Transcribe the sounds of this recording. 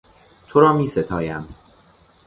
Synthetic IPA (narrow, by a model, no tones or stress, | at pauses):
t̪ʰoɾɒːmiːset̪ʰɒːjæm